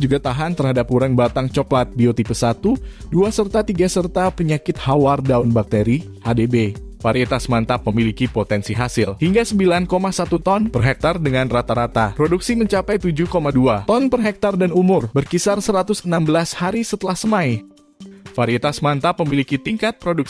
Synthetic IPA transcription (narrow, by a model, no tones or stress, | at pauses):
d͡ʒuɡat̪aɦant̪ərhadap̚uɾəŋbat̪aŋt͡ʃɔklat̪̚biot̪ipəsat̪uduasərt̪at̪iɡasərt̪apəɲakɪt̪̚hawardaunbak̚t̪eɾi | hadebefaɾiit̪asmant̪apəmilikipot̪ɛnsiɦasɪlhiŋɡasəmbilankomasat̪ut̪ɔnpərɦɛk̚t̪ardəŋanrat̪aɾat̪apɾoduksiməɲt͡ʃapajt̪ud͡ʒuhkomaduat̪ɔnpərɦɛk̚t̪ardanumʊrbərkisarsəɾat̪ʊsənambəlashaɾisət̪əlahsəmaj | faɾiit̪asmant̪apəmilikit̪iŋkat̪̚pɾoduk̚